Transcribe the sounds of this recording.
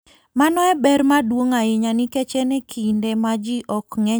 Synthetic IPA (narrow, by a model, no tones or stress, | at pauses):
manɔɛbɛɾmadwoŋaɪɲanɪkɛt͡ʃɛnɛkʰindemad͡ʒiʔɔkŋɛ